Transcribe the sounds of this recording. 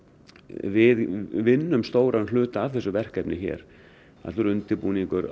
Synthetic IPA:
vɪðvɪnːʏmst̪oːwɾʔaɾnlʏːt̪aːvθɛsːʏvɛr̥kɛpnɪçɛ̰ɾ̥ | a̰t̪lʏɾʏnt̪ɪpuniŋkʏɾ

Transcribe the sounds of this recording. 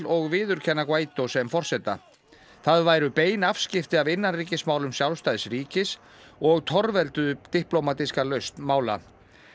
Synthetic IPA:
lɔɣvɪːðʏɾ̥cʰɛnːakvaːjt̪osɛmfɔr̥sɛt̪ːa̰ | θaðvaːjɾʏpeːjnafscɪft̪ɪavɪnːanriːcɪsmaːwlʏmsjawlst̪ajðɪsɾiːcɪs | ɔɣt̪ʰɔɾvɛlt̪ʏt̪ihplowmat̪iskalœɥst̪maːwla̰

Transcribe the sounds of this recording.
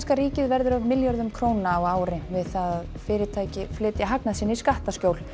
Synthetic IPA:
skaɾiːcɪðvɛɾðʏɾavmɪljœɾðʏmkʰɾoːwnnaːwaːwɾɪvɪðθaðað | fɪːɾɪt̪ʰaːjcɪflɪːt̪jaɦaknasɪːnːɪiskaht̪ascowl

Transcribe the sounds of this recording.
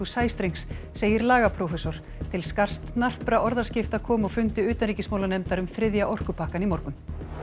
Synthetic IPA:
usaːjst̪ɾeŋsː | eːjɪɾlaːɣapʰɾɔwfɛsɔɾ̥ | t̪ʰɪlskar̥st̪nar̥pɾaʔɔɾðaɾ̥scɪft̪aðkʰɔːmaɣfʏnt̪ɪʏːt̪anɾiːcɪsmaːwlanɛmt̪aɾʏmθɾɪðjaʔɔr̥kʏpʰaːhkanimɔɾkʏn

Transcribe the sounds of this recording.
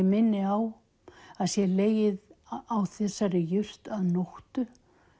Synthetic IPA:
mɪnːɪaw | aðsjɛleːjɪðawθɛsːaɾɪjʏr̥t̪aðnoht̪ʏ

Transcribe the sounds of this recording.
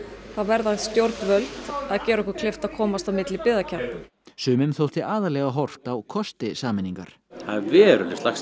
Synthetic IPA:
θaðvɛɾðḁst̪jowɾt̪nvœlt̪aðcɛːɾɔhkʏɾ̥kʰlɪft̪aðkʰɔːmast̪awmɪt̪lɪpɪːðacʰaɾt̪ʏ | sʏːmɪnθowl̥t̪ɪʔaːðaɾlɛːɣaɦɔr̥t̪awkʰɔst̪ɪsaːmɪniŋka̰ɾ̥haðvɛːɾʏ̰lɪslaxs

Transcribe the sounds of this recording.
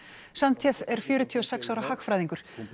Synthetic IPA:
sant̪ʰjɛθɛɾ̥fjʏːɾʏt̪ʰiːɔsɛksawɾahakfɾajðiŋkʏɾ̥

